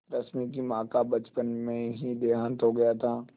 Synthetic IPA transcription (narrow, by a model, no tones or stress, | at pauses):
ɾɐsmik̬imãːkabɐt͡ʃpənmẽɦid̪eːɦaːnt̪ɦoɡɐjat̪ʰaː